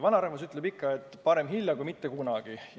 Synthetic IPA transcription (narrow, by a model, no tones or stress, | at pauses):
vɑnɑɾɑhvɑsyt̪ːˑlebikːɑe̞t̪ːpɑɾe̞mɦilʲjɑkujmit̪ːe̞kunɑɡ̥i